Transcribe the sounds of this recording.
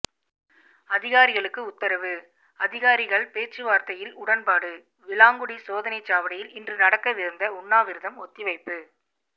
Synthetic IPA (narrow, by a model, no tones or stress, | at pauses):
ɐðɪɣaːɾɪɣɐɭɯkːɯʊt̪ːɐɾɐʋɯ | ɐðɪɣaːɾɪɣɐɭpeːt͡ʃːɯʋaːɾt̪ɐjɪlʊɽɐnpaːɽɯ | ʋɪlaːŋɡɯɽisoːðɐnɐɪt͡ʃːaːʋɐɽɐjɪlɪndrɯnɐɽɐkːɐʋɪɾɯnd̪ɐʊɳːaːʋɪɾɯðɐmɔt̪ːɪʋɐɪpːɯ